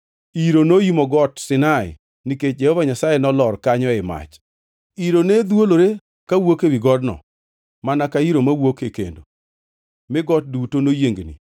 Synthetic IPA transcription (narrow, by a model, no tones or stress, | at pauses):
iɾonoimoɡɔtsɪnaɪ̰ | niket͡ʃ̚d͡ʒehɔvaɲasajenɔlɔrkaɲɔɪma̰t͡ʃ | iɾoned̪woloɾe | kawokewiɡɔdnɔ̰ | manakaiɾomawokekḛndo̰ | mɪɡɔt̚dutonojeŋɡnḭ